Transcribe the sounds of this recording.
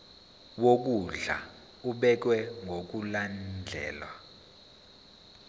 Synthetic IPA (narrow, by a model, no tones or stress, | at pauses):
wok̬uɮa̰ | uɓɛk̬wɛŋɡʱok̬uland͡ɮʱɛ̰ːlwa̰